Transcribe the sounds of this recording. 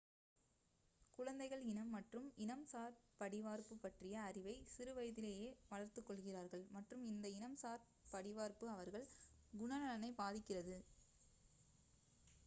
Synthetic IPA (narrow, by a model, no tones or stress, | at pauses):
kʊɻɐnd̪ɐɪɣɐɭɪnɐmːɐʈrɯmɪnɐmsaːɾpɐɽɪʋaːɾpɯpːɐʈrɪjɐːrɪʋɐɪsɪɾɯʋɐjðɪleːjeːʋɐɭɐɾt̪ɯkːɔɭɣɪraːɾɣɐɭmɐʈrɯmɪnd̪ɐɪnɐmsaːɾ | pɐɽɪʋaːɾpɯɐʋɐɾɣɐɭɡʊɳɐnɐɭɐnɐɪbaːðɪkːɪrɐðɯ